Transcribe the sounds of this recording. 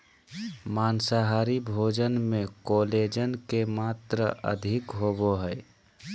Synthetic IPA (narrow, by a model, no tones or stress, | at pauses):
maːnsaɦaɾibʱoːd͡ʒənmẽkoled͡ʒənkemaːt̪ɾəʔə̰d̪ʱɪkɦoboɦəɪ